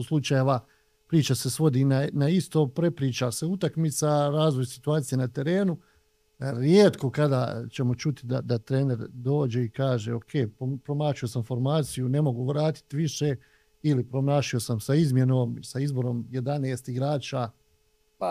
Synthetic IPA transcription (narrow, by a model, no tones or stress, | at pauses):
oslˠut͡ʃajeʋa | pɾiːt͡ʃase̞sʋo̞d̪iːnanaist̪o̞ːpɾe̞pɾiːt͡ʃase̞ut̪akmit̪saɾaːzʋojsi̥t̪uaːt̪ije̞nat̪e̞ɾe̞ːnu | ɾjeːt̪ko̞kad̪a̰t͡ɕe̞mo̞t͡ʃut̪id̪a̰d̪at̪ɾe̞ːne̞ɾd̪o̞ːd͡ʑe̞ikaːʒe̞o̞kʰe̞ːpopɾo̞maːʃio̞samfo̞ɾmaːt̪sijune̞mo̞ɡuʋɾaːt̪i̥t̪iʋiʃe | ilipɾo̞mnaːʃio̞samsaizmje̞noːmsaizbo̞ɾo̞ːmje̞d̪aneːst̪iɡɾaːt͡ʃa | a